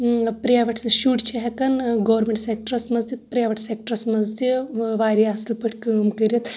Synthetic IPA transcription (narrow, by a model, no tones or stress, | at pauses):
pɾijaʋɐʈʰʃuʈt͡ʃʰeɦɐkɐnɡɐʋɾmeɳʈsek̚ʈɐɾɐsmɐzd̪it̪pɾʲjaʋɐʈʰsek̚ʈəɾɐsmɐzd̪jəʋaːɾʲjaɐslpəʈʰʲkəːmkəɾʲit̪